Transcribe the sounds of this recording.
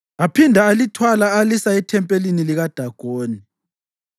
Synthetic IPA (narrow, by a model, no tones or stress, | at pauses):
apʰindʱaːlitʰwalaːlisaɛtʰɛmpʼeliniliɣad̥ʱaɡ̥ʱoːni